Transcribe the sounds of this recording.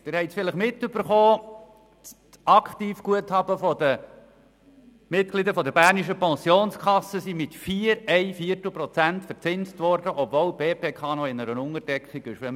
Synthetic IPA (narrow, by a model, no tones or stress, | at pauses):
d̥ɪɾhɛɪsfɪləχmɪtːʏb̥əɾχoː | ɑkχtiːfɡ̥uəthɑb̥əfɔd̥̪ə | mɪtklid̪əfɔd̪əbæːɾniʃəpɑ̃nsjoːnskχɑsːəsimɪtfiːəɾɛɪfiːərtl̩ˠpɾɔt͡sæntfəɾt͡sɪnstʋɔɾdəʔɔbvoːlb̥eːpeːkχɑːnɔɪnəɾənʊŋəɾd̥ɛkχiɡɪʃʋɛm